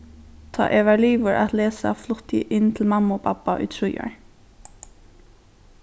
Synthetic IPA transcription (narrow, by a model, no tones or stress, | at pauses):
t̪ʰɑ̰ːʔɛʋæɹliːʋəɹʔa̰t̪leːsa̰flʊt̪jɪ̰ʔɪnt̪ʰɪlmamːʊːpʰapːaʔʊ̰jt̪ʰɹʊja̰ɹ